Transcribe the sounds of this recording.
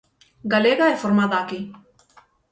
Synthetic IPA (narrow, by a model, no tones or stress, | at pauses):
ɡɐleːɡaefʊɾmad̪aːkiː